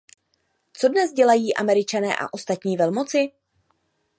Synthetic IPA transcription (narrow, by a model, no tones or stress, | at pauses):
t͡so̞dnɛzɟɛlajiːʔamɛɾɪt͡ʃanɛ̰ːʔa̰ʔo̞st̪at̪ɲiːvɛlmo̞t͡sɪ